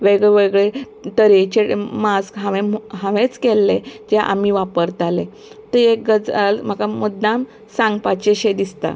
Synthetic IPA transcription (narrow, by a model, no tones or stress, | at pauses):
ʋeɡɭɛʋeɡɭe | t̪əɾet͡ɕemaskɦãʋẽɦãʋet͡skɛlːed͡ʑeʔa̰miʋapəɾt̪ale | t̪əekɡəd͡zalm̤akaməd̪nam | sãŋɡpat͡ɕeɕed̪ist̪a̰